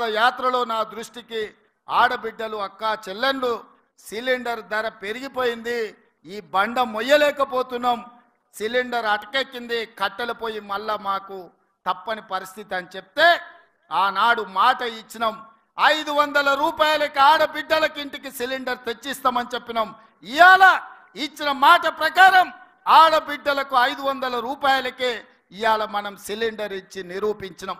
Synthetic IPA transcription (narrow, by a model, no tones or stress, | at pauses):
ɐjaːt̪ɾɐlo̞ːnaːd̪ɾuʂʈiki | aːɽɐbiɖːɐluɐkːaːt͡ʃɛlːenɖu | siliɳɖɐɾd̪ɐɾɐpe̞ɾiɡipo̞ːjind̪i | iːbɐɳɖɐmɔjːɐlɛːkɐpo̞ːt̪unːam | siliɳɖɐɾɐʈɐ̥kekːind̪ikɐʈːɐlupo̞ːjimɐlːɐmaːku | t̪ɐpːɐnipɐɾist̪ʰit̪iɐnit͡ʃebi̥t̪e̞ː | aːnaːɽumaːʈɐit͡ʃːinɐm | ɐjd̪uʋɐnd̪ɐlɐɾuːpaːjɐlɐkiaːɽɐbiɖːɐlɐkiɳʈikisiliɳɖɐɾt̪et͡ʃːist̪aːmɐnit͡ʃepːinɐm | ijaːlɐ | it͡ʃːinɐmaːʈɐpɾɐkaːɾɐm | aːɽɐbiɖːɐlɐkuɐjd̪uʋɐnd̪ɐlɐɾuːpaːjɐlɐkeː | ijaːlɐmɐnɐmsiliɳɖɐɾit͡ʃːiniɾuːpiɲt͡ʃinɐm